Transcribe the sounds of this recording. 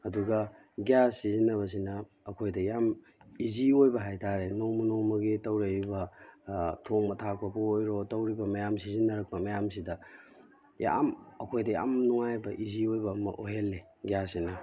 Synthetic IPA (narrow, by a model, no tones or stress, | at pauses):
ɐduɡɐ | ɡjasːizinːɐβɐs̬inɐː | kʰojdɐjam | iziojbɐɦajtʰaɾenoŋmɐnowmɐɡitɐwɾɐibɐ | tʰoŋmɐtʰak̚pʰɐpuojɾotɐwɾibɐmɐjamsizinːɐɾɐk̚pɐmɐjamsidɐ | ja̰mɐkʰojdɐja̰mnuŋajbɐʔiziojbɐːmɐ̰ʔoɦelːe | ɡjassinɐ